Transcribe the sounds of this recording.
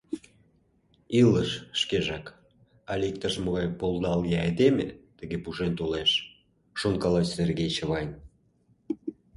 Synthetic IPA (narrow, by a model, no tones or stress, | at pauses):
iləʃʃkeʒɑk | ɑlʲik̚t̪əʃməɣɑjpolˠd̪ɑljɑed̪emʲḛt̪ə̆ɣepuʒent̪oleʃ | ʃonkɑlɑsserɣejt͡ɕə̆βɑjnʲ